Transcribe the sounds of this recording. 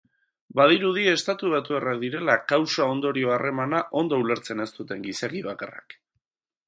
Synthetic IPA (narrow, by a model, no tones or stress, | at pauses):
bað̞iɾuð̞ie̞st̪at̪uβ̞at̪uerakd̪iɾe̞lakawsao̞nd̪o̞ɾio̞are̞manaʔo̞nd̪o̞ule̞ɾt͡se̞ne̞st̪ut̪e̞ŋɡiseɣiβaka̰ra̰k